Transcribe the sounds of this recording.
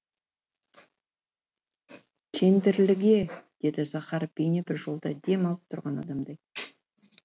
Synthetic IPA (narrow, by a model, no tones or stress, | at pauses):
kʲʰe̞nd̪ɪɾlɪɡʲe̞d̪̥e̞d̪ɪsɑχɑɾpʲejnebɪɾʒo̞lˠd̪ɑd̪e̞mɑlˠəp̚t̪ʰʊɾʁɑnɑ̰d̪ɑmd̪ɑj